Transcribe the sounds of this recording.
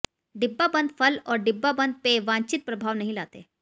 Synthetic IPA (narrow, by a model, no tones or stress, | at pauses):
ɖibːabənd̪fəlɔɾɖibːabənd̪̚peʋãɲt͡ɕit̪̚pɾəbʱaʋnəɦilat̪ḛ